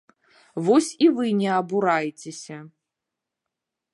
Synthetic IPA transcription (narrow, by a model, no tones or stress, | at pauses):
vɔsʲivɨnʲɛɐbuɾajt͡sʲesʲɐ